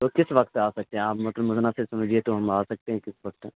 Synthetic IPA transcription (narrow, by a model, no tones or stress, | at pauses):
t̪okɪsʋɐkt̪aːsɐk̚t̪eɦɛ̃aːpmɐt̪ləbʊznasesɐmd͡ʒʱiet̪oɦɐmaːsɐk̚t̪eɦɛ̃kɪsʋɐk̚t̪